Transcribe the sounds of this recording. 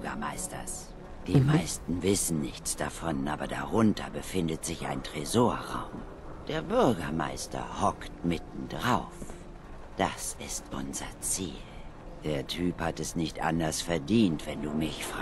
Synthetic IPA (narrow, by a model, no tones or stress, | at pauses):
ɡɐmaɪstɐ̰s | d̥iːmaɪstn̩vɪsn̩nɪçt͡sd̥afɔnʔaːbɐdaʁʊntʰɐbəfɪndətz̥ɪça̰ɪntʁ̥ɛzoːɐʁa̰ʊm | d̥eːɐbʏɐɡɐma̰ɪstɐ̰hɔktmɪtn̩dʁaʊf | d̥asɪstʔʊ̰nzɐt͡sḭːl | d̥eːɐtʰyːphatɛsnɪçtʔa̰ndɐsfɛɐdiːntv̥ɛnduːmɪçf